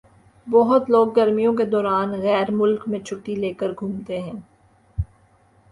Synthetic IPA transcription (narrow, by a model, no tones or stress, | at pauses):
bɔɦʊt̪loːɡːɐɾmijõked̪ɔːɾaːnɣɛːɾmʊlkmẽt͡ʃʰʊʈːileːkəɾɡʱũːmt̪eɦɛ̃ː